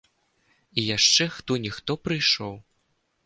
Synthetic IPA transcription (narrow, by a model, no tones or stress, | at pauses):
ijaʂt͡ʂɛxt̪ɔnʲixt̪ɔpɾɨjʂɔw